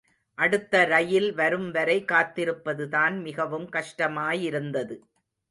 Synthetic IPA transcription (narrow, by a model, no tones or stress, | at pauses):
ʔɐɽɯt̪ːɐɾɐjɪlʋɐɾɯmʋɐɾɐɪkːaːt̪ːɪɾɯpːɐðɯðaːnmɪɣɐʋɯmkɐʂʈɐmaːjɪɾɯnd̪ɐðɯ